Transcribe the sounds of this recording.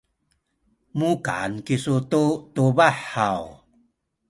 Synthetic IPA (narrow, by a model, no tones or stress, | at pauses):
muka̰nkisut̪ut̪ubaħaw